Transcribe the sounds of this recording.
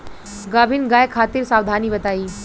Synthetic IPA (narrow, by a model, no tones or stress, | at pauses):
ɡabʱiːnɡajkʰaːt̪iːɾsawd̪ʱaniːʋət̪aiː